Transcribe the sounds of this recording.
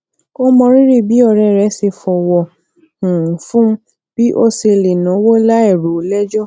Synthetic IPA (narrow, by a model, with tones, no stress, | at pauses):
o˦mɔ̃˧ɾi˦ɾi˦˨bi˨˦ɔ˦˧˨ɾɛ˧˨ɾɛ˨˦se˧fɔ˨wɔ̃˧˨˦ | fũ˦ | b̥i˦ʔo˦se˧le˨nã˨˦wo˦la˦ɛ˦˨ɾo˨˦˨lɛ˦d͡ʒɔ˦˨